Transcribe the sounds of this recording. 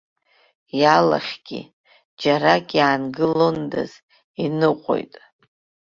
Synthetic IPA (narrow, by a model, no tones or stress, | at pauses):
jala̰χʲɡ̥ʲḭ | d͡ʒaɾakʼjaːnɡɨlonda̰z̥ | inɨqʷʼo̰jtʼ